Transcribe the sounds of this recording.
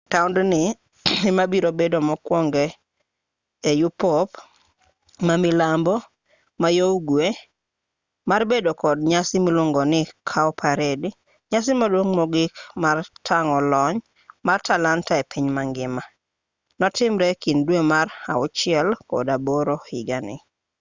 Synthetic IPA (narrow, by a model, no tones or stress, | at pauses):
taʊndnɪ | emabiɾobedomɔkwɔŋɡe | jupop | mamɪlambo | majoɡwe | marbedokɔdɲasɪmɪlʊŋɡɔnɪkʰaɔpʰaɾed | ɲasɪmadwoŋmɔɡɪkmartʰaŋɔlɔɲ | martalantaepʰɪɲmaŋɡɪma | nɔtɪmɾɛkindwemara̰ʊt͡ʃɪɛlkɔ̰daboɾohiɡanɪ̰